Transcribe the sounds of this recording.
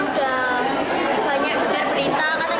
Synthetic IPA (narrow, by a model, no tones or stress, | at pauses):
uda | b̥a̤ɲak̚bəŋarbəɾit̪akat̪a